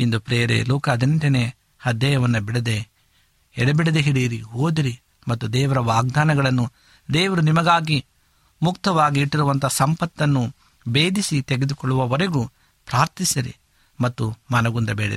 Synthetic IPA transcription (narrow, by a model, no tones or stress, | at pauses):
ind̪upɾeːɐɾḛluːkɐɐd̪iniɳʈɐneː | hɐd̪jɐjɐʋɐnːɐbiɽed̪e | ɛɽɐbiɽed̪eɦiɽiɾiɦoːd̪iɾi | mɐt̪ːud̪ɛːʋɐɾɐʋaːɡ̚d̪aːnɐɡɐɭɐnːu | d̪eːʋɐɾunimɐɡaːɡi | mukt̪ɐʋaːɡiːʈːiɾuʋɐnt̪ɐsɐmpɐt̪ːɐnːu | beːd̪ʱisit̪eɡed̪ukɔɭːuʋɐʋɐɾeɡu | pɾaːɾt̪isiɾḭ | mɐt̪ːumɐnɐɡund̪ɐbeːɽḭɾi